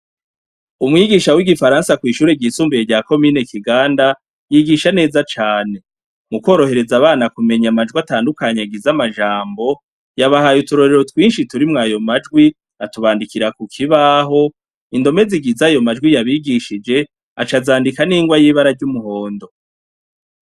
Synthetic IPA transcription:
umŋiːɡiʃawiɡifaɾaːnsakwiːʃuːɾeɟiːsuːmbijeɾɟaːko̞mine̞kiɡaːnda | jiɡiʃane̞ːzat͡ʃaːne̞ | mukwoːɾo̞hɦe̞ɾe̞zaβaːnakume̞ɲamad͡ʒɡwiataːndukaɲaɡizamaʒaːmbo̞ | jaβahajutuɾo̞ɾe̞ɾo̞twiːnʃituɾimŋajo̞mad͡ʒɡwi | atuβaːndikiɾakukʰiβaɦo̞ | indo̞me̞ziɡizajo̞mad͡ʒɡwijaβiɡiʃid͡ʒe̞ | at͡ʃazaːndikaniːŋɡwajiːβaɾaɾɟumuho̞ːndo̞

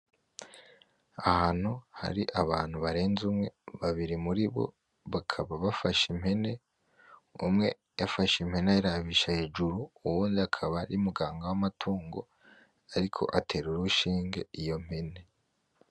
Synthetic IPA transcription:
ahaːn̥huha̰ɾiʔaβaːn̥huβaɾe̞ːnzumŋe̞βaβiɾimuɾiβo̞̰ | βakʰaβaβafaʃimhe̞ne̞ | umŋe̞ | jafaʃim̥he̞nejaɾaβiʃahe̞ːʒuɾuːwuːndiakʰaβaɾiumuɡaːŋɡawamatʰuːŋɡo̞̰ | aɾikʰo̞̰ʔatʰe̞ɾuɾuʃiːŋɡe̞̰ijo̞m̥hene̞

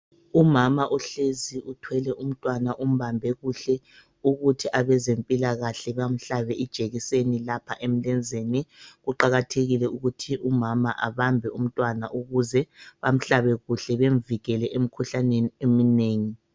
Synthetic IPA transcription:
umamaʔɔɬeziutʰwɛlɛʔum̩tʼwanaʔum̩βambʱɛɣuɬɛ | uɣutʰiʔaβɛzempʼilaɣaɬɛβam̩ɬaβɛʔid̥ʒ̥ʱeɣisenilapʰaʔem̩lɛnd͡zʱeniɣuǃaɣatʰeɣilɛuɣutʰiʔumama̰ʔaβambʱɛum̩tʼwana̰ʔuɣuzɛβam̩ɬaβɛɣuɬɛβeɱviɣɛlɛʔem̩kʰuɬaneniemineːŋi

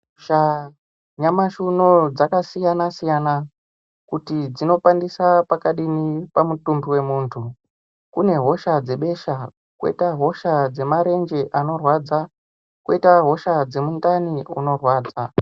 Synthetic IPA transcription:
ʃa | ɲamaʃunod͡zakasijanasijana | kutid͡zino̞pandisapakaɗinipamutumbiwe̞muːntʰu | kune̞ɦo̞ʃad͡ze̞ɓe̞ʃa | kwḛtaɦo̞ʃad͡ze̞maɾe̞nd͡ʒe̞ʔano̞rwad͡za | kwḛitaɦo̞ʃad͡ze̞mundaniṵno̞rwaːd͡za

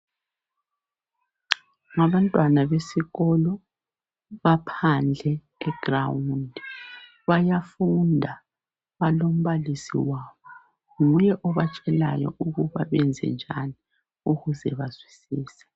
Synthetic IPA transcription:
ŋaβantʼwanaβesiɣɔlɔ | βapʰand͡ɮʱɛ | ɛɡ̥rawundʱ | βajafundʱa | βalom̩βalisḭwaːβɔ | ŋujɛʔɔβat͡ʃʼɛlajɔ̰ʔuɣuβaβɛnd͡zʱɛ̰nd͡ʒʱani | uɣuzɛβazwisiːsɛ̥

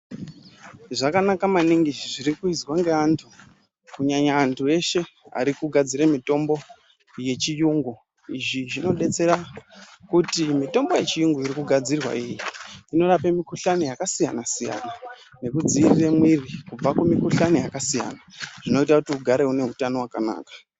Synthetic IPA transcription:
ʐakanakamaniŋɡiʐiɾikuizwaŋɡeantʰu | kuɲaɲaːntʰue̞ʃe̞a̰ɾikuɡʱad͡ziɾemito̞mbo̞ | je̞t͡ʃijuŋɡu | iʐiʐino̞ɗe̞t͡se̞ɾakutimito̞mbo̞je̞t͡ʃijuŋɡuiɾikuɡʱad͡zirwa̰ijiino̞rapemikuɬanijakasijanasija̰na | ne̞kud͡ziːriremwirikub͡vakumikuɬanijakasija̰naʐ̥ino̞itakutiuɡʱaɾe̞une̞ɦutano̞wakana̰ːkḁ

